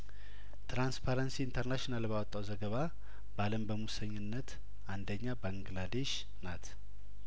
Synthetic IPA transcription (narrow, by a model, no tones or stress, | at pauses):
t̪ɾanspʰaɾənsiːnt̪ʰəɾnaʃonalbawɔt̪ʼːawzəɡəβa | baləmbəmusəɲːɪnːət̪ | and̪əɲːabaŋɡlad̪e̞ʃ | nat̪ʰ